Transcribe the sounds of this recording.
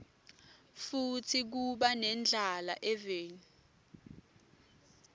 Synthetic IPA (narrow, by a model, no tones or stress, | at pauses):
futʰik̬uɓanɛnd͡ɮʱala̰ʔɛveːnu